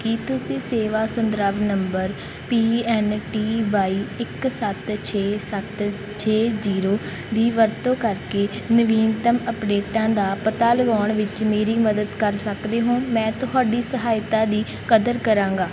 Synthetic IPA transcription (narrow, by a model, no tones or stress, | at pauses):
kit̪ʊsĩːseːʋaːsənd̪ɾəʋnəmbəɾ | piːɛːnʈiːʋaːiːɪksət̪t͡ʃʰeːsət̪ | t͡ʃʰeːziːɾoː | d̪iːʋəɾt̪õːkəɾkeː | nəʋiːnt̪əməpɖeːʈãːd̪aːpət̪aːləɡaːɳʋɪt͡ʃmeːɾiːməd̪əd̪kəɾsəkd̪eːɦõːmɛ̃ːt̪ʊɦaːɖiːsəɦaːjt̪aːd̪iː | kəd̪əɾkəɾãːŋɡaː